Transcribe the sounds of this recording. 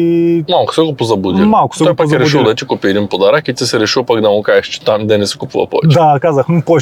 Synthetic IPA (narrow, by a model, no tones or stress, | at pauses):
malˠkʊ̥sɛkupozɐbud̪imalˠkʊ̥stɛɔjpazɛɾɛʃiwd̪ɐt̪ikupiɾimpod̪ɐɾakit̪ɛsɛɾɛʃipakd̪ɐmʊkaɛʃt͡ʃɛ̥t̪amid̪ɐnɛsi̥kupuvɐ̰pɔ̰vɛ̰t͡ʃd̪akazɐkñpɔ